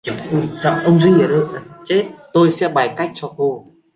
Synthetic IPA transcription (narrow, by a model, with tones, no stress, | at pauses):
t͡ɕə˨˩˧ʔu˧˩jza̰˧˨wʔə˧wŋ͡mzwi˧ŋə˨˩ɾɨ˧˨a˧˩t͡ɕe˦˥t̚t̪o˧jsɛ̰˧˥ɓaː˨˩jka˦˥jk̚t͡ɕɔ˧ku˧